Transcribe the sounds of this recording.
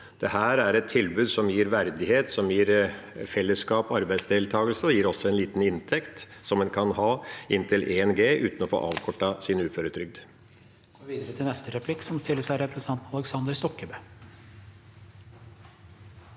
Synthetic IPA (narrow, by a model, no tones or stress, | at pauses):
d̪̥ɛhæːɾæɾɛt̪ʰːɪlbʉːd̪sɔmjiːɾʋæɾd̪ɪheːt̪sɔmjiːɾfɛlːəskɑːpɔɑɾbæɪsd̪eːlt̪ʰɑːɡəlsəjiːɾɔsɔɛnliːt̪n̩ɪnt̪ʰɛkt̪sɔmːɛnkʰɑnɦɑːɪnt̪ʰɪlʔeːɛnɡeːʔʉ̰ːt̪n̩ɔfo̰ːʔɑ̰ːʋkʰɔʈːɑsɪnʉːføːɾət̪ʰɾʏɡ̚d̪ | ɡ̥ɔʋiːd̪əɾət̪ʰɪlnɛst̪əɾɛpʰlɪkːsɔmst̪ɪlːəsæɪɾɛpɾɛst̪ɑnt̪nɑlɛksɑnd̪əɾst̪ɔkːəbøː